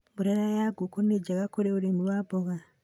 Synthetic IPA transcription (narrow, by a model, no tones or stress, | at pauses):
buɾeɾajaɡukoned͡ʒakakoɾeuɾemulwaboɣa